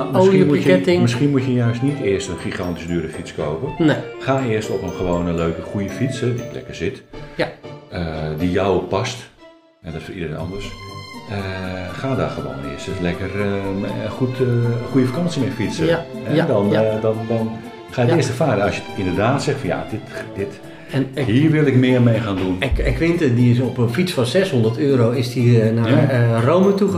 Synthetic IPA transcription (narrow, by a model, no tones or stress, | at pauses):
msinmuəmɪsxiənmutjəjœɥstnitɪərstənχixɑntisdyəɾəfit͡skoːpəxaːɪəstɔpənχəʋoːwnənløːkəχujəfit͡sɛdilɛ̰kərzɪt | ədijɔwpɔst | ɛdɔtfəidərenɔ̰ndərsəxaːdaxəʋo̰wnɪ̰əstəlɛkər | xutxujəfəkɑnsimɛfit͡səhɛdɔndɔndɔn | χaːətɪːstɛrfaːɾənɔsjətɪndərdaːtsɛxfɔnja̰dɪtd̥ɪt | ɛnhiːərʋɪlˠɪkmɪərmejxaːndunɪkʋɪntədiɪsɔpənfit͡sfɔnsɛshondərtøːɾowɪsdinarowmətu